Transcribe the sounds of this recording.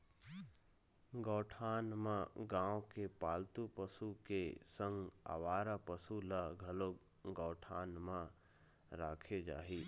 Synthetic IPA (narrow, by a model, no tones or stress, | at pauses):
ɡɔːʈʰaːnmãɡãːõkepaːlt̪upəsukesə̃ŋɡa̰ʋaːɾapəsulaɡʱɐloːɡ | ɡɔːʈʰaːnmã | ɾaːkʰed͡ʒa̰ːɦiː